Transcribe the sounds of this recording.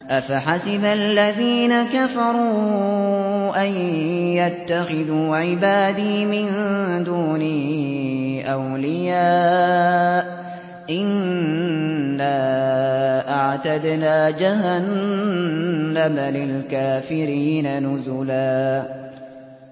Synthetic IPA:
ʔafaħasɪbalːaðiːnakafɑɾˤuː | ʔajjat̪ːaxɪðuːʕɪbaːd̪iːmɪnd̪uːni | ʔawlɪjaː | ʔɪn | aː | ʔaʕt̪ad̪naːd͡ʒahan | amalɪlkaːfɪɾiːnanʊzʊlaː

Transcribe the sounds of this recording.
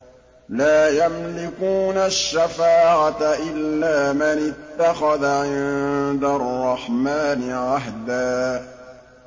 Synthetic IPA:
laːjamlɪkuːnaʃːafaːʕat̪aʔɪlːaːmanɪt̪ːaxaðaʕɪnd̪arˤːɑħmaːnɪʕaɦd̪aː

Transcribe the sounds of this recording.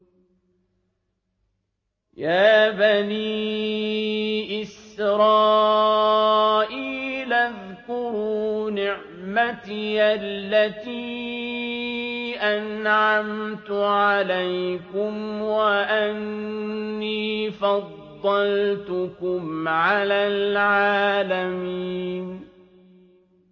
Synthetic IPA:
jaːbaniː | ʔɪsɾɑː | ʔiːlʔað | kʊɾuːnɪʕʕ | mat̪iʔalːat̪iː | ʔanʕamt̪ʊʕalajkʊmwaʔanː | iːfɑd̪ˤːɑlt̪ʊkʊmʕalaːlʕaːlamiːn

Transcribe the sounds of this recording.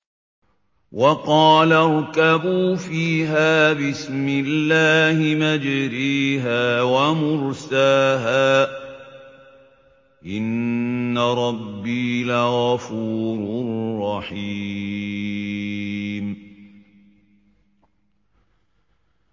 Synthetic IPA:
wʔɑqɑːlaɾˤkabuːfiːɦaːbɪsmɪlːaːhɪmad͡ʒɾiːɦaːwamʊɾsaːɦaː | ʔɪnːaɾˤɑbːiːlaɣɑfuːɾʊrˤːɑħi | m

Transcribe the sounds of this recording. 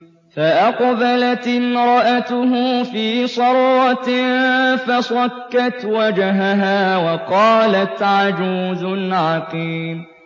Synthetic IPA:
faʔaqbalat̪ɪnɾˤɑʔat̪ʊɦʊfiːsˤɑɾˤːɑt̪ɪfasˤɑkːat̪wad͡ʒaɦaɦaːwɑqɑːlat̪ʕad͡ʒuːzʊnʕɑqiːm

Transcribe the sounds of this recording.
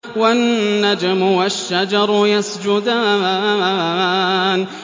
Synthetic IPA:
wanːad͡ʒamʊwaʃːad͡ʒɑɾˤʊjasd͡ʒʊd̪a | n

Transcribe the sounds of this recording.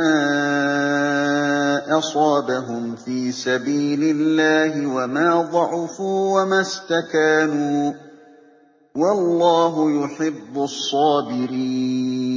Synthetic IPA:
aː | ʔɑsˤɑːbaɦʊmfiːsabiːlɪlːaːɦɪwamaːd̪ˤɑʕʊfuːwamast̪akaːnuː | wɑlˤːɑːɦʊjʊħɪbːʊsˤːɑːbɪɾiːnn

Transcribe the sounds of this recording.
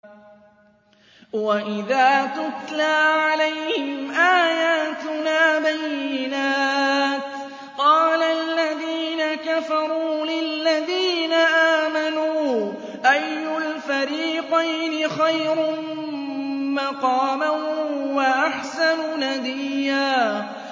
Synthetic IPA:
waʔɪðaːt̪ʊt̪laːʕalajhɪɪmmʔaːjaːt̪ʊnaːbajːɪnaːt̪ | qɑːlaalːaðiːnakafɑɾˤuuːlɪlːaðiːnaʔaːmanuː | ʔajːʊlfaɾiːqajnɪxajɾʊ | mɑqɑːmanwaʔaħsanʊnad̪ijːaː

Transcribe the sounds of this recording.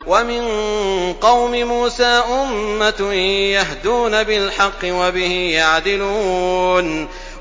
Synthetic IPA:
wamɪnqɑwmɪmuːsaːʔʊmːajaɦd̪uːnabɪlħɑqːɨwabɪhɪjaʕd̪ɪluːn

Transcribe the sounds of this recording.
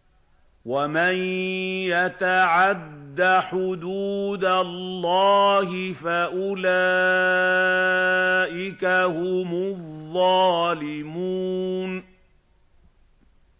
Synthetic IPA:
wamanjat̪aʕad̪ːaħʊd̪uːd̪alːɑːhɪfaʔʊlaː | ʔɪkahʊmʊðˤːɑːlɪmuːn

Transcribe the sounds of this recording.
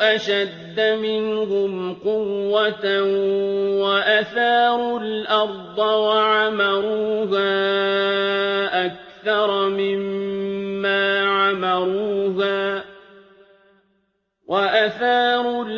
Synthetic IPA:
ʔaʃad̪ːamɪnhʊmqʊwːat̪a | waʔaθaːɾʊlʔɑɾˤd̪ˤɨwaʕamɑɾuːɦaː | ʔak̚θɑɾˤmɪmː | aːʕamɑɾuːɦaː | waʔaθɑːɾʊ

